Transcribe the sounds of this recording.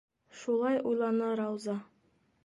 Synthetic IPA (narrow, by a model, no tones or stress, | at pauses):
ʃulˠɑjʔujlˠɑnɤɾɑwzɑ